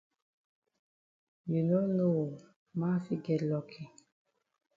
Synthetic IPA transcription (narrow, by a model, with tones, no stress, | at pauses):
ju˨no˦no˦˨ | ma˦fi˦ɡɛ˨lɔ˨kʰi˨